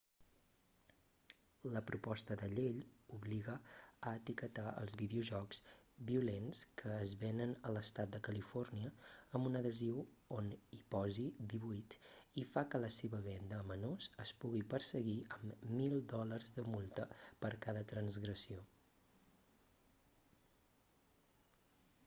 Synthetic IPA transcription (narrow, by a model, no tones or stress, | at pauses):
ləpɾupɔst̪əðəʎeʎuβliɣəəːt̪ikət̪aə̰lˠzβiðiuʒɔkz̥biulenskʰəːzβenənələst̪at̪̚d̪əkəlifɔrniəːmbunəðəziwonipɔzid̪iβuit̪ifakələseβəβɛnd̪əːmənozəspuɣipəɾsəɣiəmːilˠd̪ɔlərzðəmulˠt̪əpəɾkaðət̪ɾənzɣɾəsio